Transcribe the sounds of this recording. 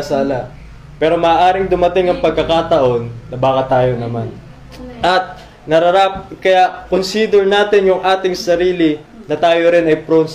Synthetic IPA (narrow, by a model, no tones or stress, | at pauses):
ɐsaːla | pɛːɾo̞mɐːʔaːɾɪŋd̪ʊmɐt̪ɪŋɐŋpɐɡ̚kɐkat̪ɐʔo̞nːɐbaːkɐt̪aːjo̞nɐman | ʔɐt̪̚ | nɐɾɐɾap̚kɐjakonsid̪ɛɹnaːt̪ɪnjʊŋʔaːt̪ɪŋsɐɾiːlɪnɐt̪aːjoɾɪnɐjpɾons